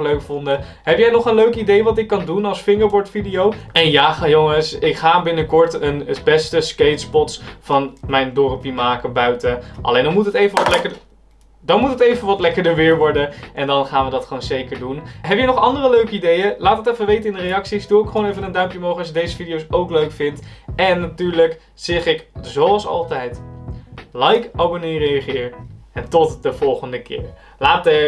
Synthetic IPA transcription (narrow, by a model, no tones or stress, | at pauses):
løɥkfɔndə | ɦɛpjɛjnɔχənløɥkidejʋɑtɪkːɑndunɑlˠsfɪŋəɹbɔɹtfidijowɛnjaːχjoŋəsɪkχaːbɪnəkɔɹtənbɛstəskejtspɔtsfɑnmɛjndɔrəpimaːkəbœɥtəʔɑ̰lejndɑnmutətejvənʋɑtlɛkə | dɑnmutɦətejvənʋɑtlɛkəɹdəɹʋɪːɹʋɔɹdəʔɛndɑnχaːnʋədɑtχəʋownzejkəɹdunɦɛbjənɔχɑndərəløɥkəidejəlaːtətɛfəʋejtəɪndərejɑksisdʊːɪkχəʋownejvənəndœɥmpjəmowχəɑsədejzəfidiowsowkløɥkfɪntɛnːatyːɹlək | z̥ɪχɪkzowɑlˠsɑ̰lˠtɛjt | lɛjkabonirejəχɪːɹɛntɔtdəv̥ɔlˠχəndəkɪ̰ːɹ | laːtə